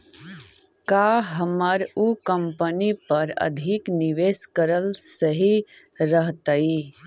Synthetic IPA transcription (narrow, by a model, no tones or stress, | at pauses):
kaːɦəməɾukə̃mpənipɐɾɐ̰d̪ʱiknɪʋeːskəɾəlsəɦi | ɾəɦt̪ai